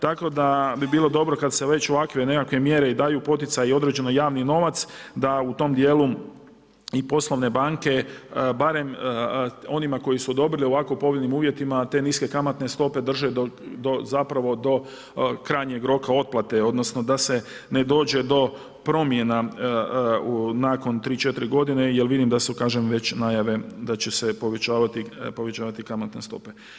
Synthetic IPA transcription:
t̪ako̞d̪abibiːlˠo̞d̪o̞bɾo̞kad̪se̞ʋe̞t͡ɕoʋakʋene̞kakʋe̞mje̞ɾe̞id̪aːjuːpo̞t̪it̪sajio̞d̪ɾe̞d͡ʑe̞nojaːʋnino̞ʋat̪sd̪aut̪o̞md̪je̞lu | ipo̞slˠo̞ʋne̞baːŋke̞baɾe̞m | o̞nimako̞jisuod̪o̞bɾilio̞ʋako̞upo̞ʋʎʲenimuːʋje̞t̪imat̪e̞niske̞kamat̪ne̞st̪o̞pe̞d̪r̩ʒed̪od̪ozapɾaʋo̞d̪o̞ | kɾaːɲeɡɾo̞kao̞t̪̚plat̪e̞o̞d̪no̞sno̞d̪ase̞ne̞d̪o̞ːd͡ʒe̞d̪o̞ | pɾo̞mje̞na | unako̞nt̪ɾiːt͡ʃe̞t̪iɾiɡo̞d̪ine̞jelʋid̪imd̪asukaːʒemʋe̞t͡ɕnajaʋe̞d̪at͡ɕesepo̞ʋe̞t͡ɕaːʋat̪ipo̞ʋe̞t͡ʃaːʋat̪ikamat̪nest̪o̞̰pe̞

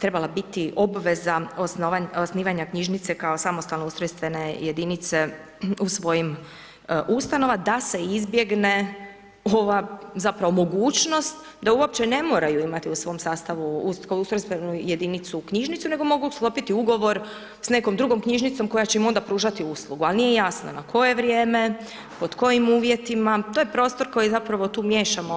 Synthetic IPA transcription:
t̪ɾe̞balˠabit̪iʔo̞bʋezaosnaosniːʋaɲakɲiʒnit̪se̞kaosamost̪alnousɾost̪ʋe̞ne̞jed̪init̪se̞ | usʋo̞jim | ʔust̪ano̞ʋad̪ase̞izbje̞ɡne̞ | o̞ʋazapɾaʋo̞mo̞ɡuːt͡ʃno̞st̪ | d̪auop̚t͡ɕene̞moːɾajuimat̪iusʋo̞msaːst̪aʋuuskaust̪ɾospenuje̞d̪init̪sukɲiʒnit̪sune̞ɡo̞mo̞ɡusklˠo̞pit̪iuɡo̞ʋo̞ɾ | sne̞ko̞md̪ɾuɡo̞mkɲiʒnit̪so̞mko̞jat͡ɕeimo̞nd̪apɾuːʒat̪iuslˠuɡualˠnijejasno̰nakʰo̞je̞ʋɾje̞ːme̞ | po̞d̪ko̞jimuːʋje̞t̪imat̪o̞ːjepɾo̞ːst̪o̞ɾko̞jizapɾaʋo̞t̪uːmje̞ːʃamo

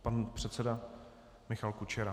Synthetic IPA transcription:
panpr̥ɛt̪sɛda | mɪxalkut͡ʃɛɾa

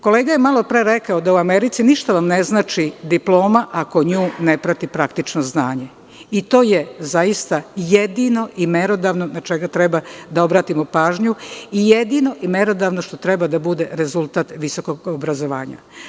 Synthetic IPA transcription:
ko̞leːɡajemalˠo̞pɾe̞ɾe̞kaod̪auameɾit̪siniʃt̪aʋamne̞znaːt͡ʃid̪iplˠo̞ːmaʔako̞ɲuːne̞pɾat̪ipɾakt̪it͡ʃnoznaːɲe | it̪o̞ːjezaist̪ajed̪ino̞ʔimeɾo̞d̪aːʋno̞nat͡ʃe̞ɡat̪ɾebad̪ao̞bɾaːt̪imopaːʒɲuijed̪ino̞ʔimeɾo̞d̪aʋno̞ʃt̪o̞t̪ɾe̞bad̪abud̪e̞ɾezulˠt̪aːt̪ʋiso̞ko̞ɡobɾazo̞ʋa̰ːɲa̰

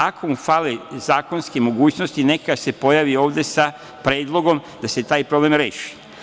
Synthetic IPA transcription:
akʰo̞mufalezaːko̞nskemo̞ɡuːt͡ʃno̞st̪ine̞kase̞po̞jaʋio̞ːʋd̪e̞sa | pɾeːd̪lˠo̞ɡo̞md̪ase̞t̪aːjpɾo̞blemɾe̞̰ːʃi̥

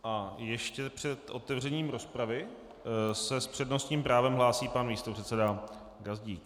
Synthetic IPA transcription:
ʔajɛʃcɛpr̥ɛt̪ʔot̪ɛvr̝ɛɲiːmɾo̞spɾavɪ | sɛspr̥ɛdno̞st̪ɲiːmpɾaːvɛmɦlaːsiːpanmiːst̪opr̝̥ɛt̪t͡sɛda | ɡazɟiːk

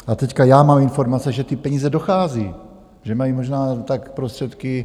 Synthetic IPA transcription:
ʔat̪ɛckajaːmaːmɪnfo̞ɾmat͡sɛʒɛt̪ɪpɛɲiːzɛdo̞xaːziː | ʒɛmajimoʒnaːt̪akpɾost̪r̝̥ɛt̪kɪ

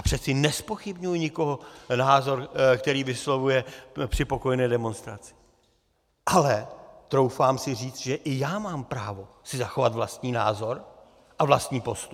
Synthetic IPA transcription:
ʔapr̝̥ɛt̪t͡sɪnɛspo̞xɪbɲujɲɪko̞ɦonaːzo̞ɾkt̪ɛɾiːvɪslo̞vujɛpr̝̥ɪpo̞ko̞jɛnɛːdɛmo̞nst̪ɾat͡sɪ̥ | ʔalɛt̪ɾo̞wfaːmsɪr̝iːt͡st̪ʒɛʔɪjaːmaːmpɾaːvo̞ | sɪzaxo̞vat̪vlast̪ɲiːna̰ːzo̞ɾ | ʔavlast̪ɲiːpo̞st̪up

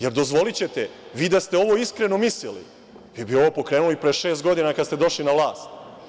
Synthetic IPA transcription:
je̞ɾd̪o̞zʋo̞lit͡ɕe̞t̪eʋiːd̪ast̪eo̞ʋo̞iskɾe̞no̞mislilḭ | ʋiːbio̞ʋo̞ːpo̞kɾe̞ːnuloipɾeʃe̞ːst̪ɡo̞d̪inakad̪st̪e̞d̪o̞ʃlinaʋlˠaːst̪

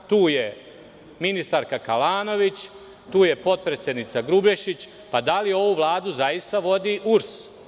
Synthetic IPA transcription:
t̪uːje̞ | minist̪aɾkakalaːno̞ʋit͡ɕ | t̪uːje̞po̞t̪̚pɾet̪sjed̪nit̪saɡɾubeʃit͡ɕ | pad̪alio̞ʋuʋlˠaːd̪uzajist̪aʋo̞d̪iːʔuɾs

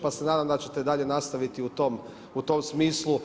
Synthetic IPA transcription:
pasenaːd̪amd̪at͡ɕe̞̥t̪eid̪aʎe̞nast̪aʋit̪iut̪om | ut̪o̞msmiːslu

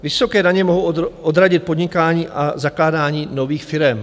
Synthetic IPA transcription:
vɪso̞kɛːdaɲɛmoɦowʔod̪ɾaɟɪt̪̚po̞dɲɪkaːɲiːʔazaklaːdaːɲiːno̞viːxfɪɾɛm

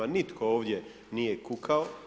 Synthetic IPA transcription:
anit̪kʰo̞oːʋd̪je̞ | nijekukʰao

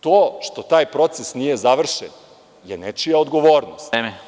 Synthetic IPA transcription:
t̪oːʃt̪o̞t̪aːjpɾo̞t̪sesnije̞zaʋr̩ʃḛn | jenet͡ʃijaod̪ɡo̞ʋo̞ːɾnost̪eme

